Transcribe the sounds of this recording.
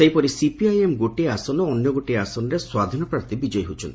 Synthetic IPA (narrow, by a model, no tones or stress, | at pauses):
sejpɔɾisipiajemɡoʈiasɔnɔːnjɔɡoʈiasɔnɔɾeswad̪ʱinɔpɾaɾt̪ibid͡ʒɔjɦut͡ʃʰɔnt̪i